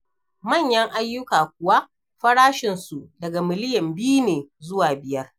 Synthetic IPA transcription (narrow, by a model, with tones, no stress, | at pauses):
mɐ˦˨ɲjɐ˦ŋʔa˦jːʊ˦kaː˨kʷʊ˨wa˦ʔ | ɸɐ˦ɽaː˦ʃɪ˨nsu˨dɐ˨ɡa˨mɪ˨lɪ˦jɐ˨mbi˦neː˨zʊ˦waː˨bɪ˨jɐ˦r